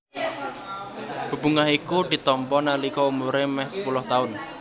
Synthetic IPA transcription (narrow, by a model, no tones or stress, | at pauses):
b̥ə̤b̥ṳŋaɦikuɖ̥i̤t̪ɔmpɔnalikɔumuɾemɛhsə̥pulʊht̪aʊn